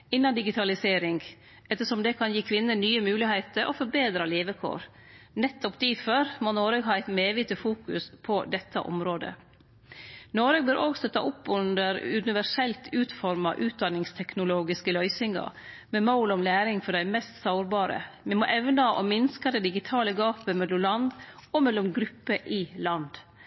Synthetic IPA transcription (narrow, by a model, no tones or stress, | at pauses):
ɪnːɑnd̪ɪɡɪt̪ʰɑlɪseːɾɪŋɡ | ɛt̪ːəʂɔmd̪ɛkʰɑnjiːkʰʋɪnːənyːəmʉːlɪhæɪt̪əɾʔɔ̰fɔɾbeːd̪ɾɑleːʋəkʰo̰ːɾ | nɛt̪ːɔpd̪iføːɾmonoːɾəɡɦɑːæɪt̪meːʋɪt̪əfuːkʉspʰɔd̪ɛt̪ʰːɑ̰ʔɔ̰mɾoːd̪ə̰ | noːɾəɡ̚bøːɾʔɔɡst̪œt̪ɑʔʊpːʉnd̪əɾʉnɪʋæʂɛlt̪ʰʉːt̪fɔɾmɑʔʉːt̪̚d̪ɑnɪŋst̪ʰɛknʊloːɡɪskəlœʏsɪŋɑ̰ | mɛmaʊlɔmlæːɾɪŋfɔɖæɪmɛst̪sɑʊɾbɑːɾə̰mɛmɔʔɛʋnɑʔɔ̰mɪnskɑd̪ɛd̪ɪɡɪt̪ʰɑːləɡɑːpəmɛlɔmlɑnd̪ɔmɛlːɔmɡɾʉpːəʔɪlɑnd̪